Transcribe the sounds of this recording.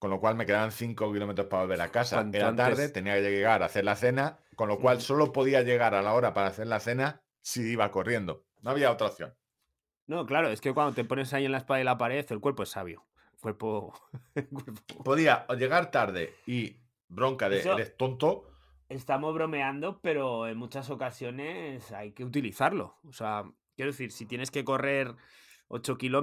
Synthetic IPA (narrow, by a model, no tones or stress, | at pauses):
ko̞nlo̞kwalme̞ke̞ðaβanθiŋkokilo̞me̞t̪ɾo̞spaβolβe̞ɾakasa̰eɾat̪aɾðet̪e̞niake̞ʝeɣaɾaθe̞ɾlaθe̞na | ko̞nlo̞kkwalso̞lo̞po̞ðiaʝe̞ɣ̞aɾalao̞ɾapaɾaːθe̞ɾlaθe̞na | siiβako̞rje̞nd̪o̞ | noaβiaːwt̪ɾaoθjo̞̰n | no̞klaɾoe̞skekwand̪ot̪epo̞ne̞saie̞nlaespaðailapaɾe̞θe̞lkweɾpo̞e̞sːaβ̞jo̰ | kwe̞ɾpoelkweɾpopo̞ðiaʎe̞ɣ̞aɾt̪aɾðe̞̰i | bɾo̞ŋkaðesoðest̪o̞nt̪o | e̞st̪amo̞zβ̞ɾo̞me̞and̪o̞pe̞ɾo̞e̞nmut͡ʃaso̞kasjo̞ne̞sajke̞ut̪iliθaɾlo̞̰osea | kjeɾoe̞θiɾsit̪jene̞ske̞ko̞re̞ɾo̞̰t͡ʃo̞kilo